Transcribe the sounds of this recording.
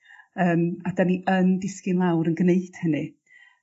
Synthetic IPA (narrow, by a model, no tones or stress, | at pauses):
əːmadaniʔəndɪskɪnlˠawɾənɡneɨd̥hənɨ